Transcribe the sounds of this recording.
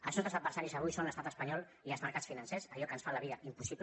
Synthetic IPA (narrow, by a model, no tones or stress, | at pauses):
əlˠznɔt̪əzəd̪̚bəɾsaɾizəβujsonləst̪at̪əspəɲɔlˠ | iəlˠzməɾkasfinənsɛsəʎɔkənsfaləβiəʔimpusip